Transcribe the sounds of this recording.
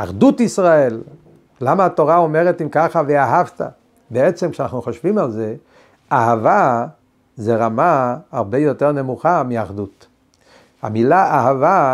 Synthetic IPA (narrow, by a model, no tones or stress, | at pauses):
a̰χdut̪isʁae̞lː | amaːt̪o̞ʁao̞me̞ʁet̪imkaχaveaɦavt̪a̰ | beet͡semkʃeanaχnuχoʃvimalze̞ | aɦava | zeʁamaaʁbejo̞teʁne̞muχamiaχd̪ut̪ | a̰milaahava